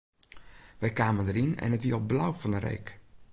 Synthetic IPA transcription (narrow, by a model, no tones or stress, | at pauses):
ʋɛjkaːməndəɾinɛ̰nətʋiəɔp̚blawfɔnərḛːk